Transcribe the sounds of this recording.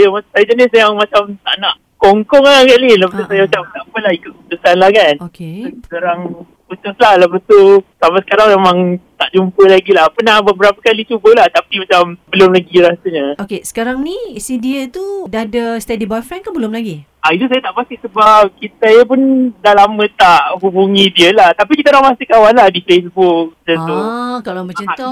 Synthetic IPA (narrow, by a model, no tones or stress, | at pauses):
ajamasajad͡ʒənɪsjaŋmat͡ʃamt̪a̰ʔnaʔ | kɔŋkɔŋaaɡaʔlilapat̪usajamat͡ʃamt̪aʔpəlahikʊt̪̚kut̪usanlahkanokesəkaɾaŋ | put̪uslahlapət̪usamasə̥kaɾaŋmemãŋt̪aʔd͡ʒumpəlaɡilahpənahbəbəɾapakalit͡ʃubəlaht̪apimat͡ʃambəlʊmlaɡiɾasəɲə̃ʔokesə̥kaɾaŋnisidiət̪udadəst̪ɛdibɔjfɾɛnkanbəlʊmlaɡi | ʔait̪usajat̪aʔpast̪ɪʔsəbap̚kit̪ajəp̬ʊndalamə̃t̪aʔɦubuŋĩdiəlaht̪apikit̪anapast̪ikawanladifesbʊk̚d͡ʒənt̪ukalambət͡ʃəo